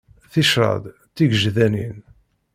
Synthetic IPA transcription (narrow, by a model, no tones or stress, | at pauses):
θiʃɾˤɑ̰d̪ | t̪ːiɡʒðænin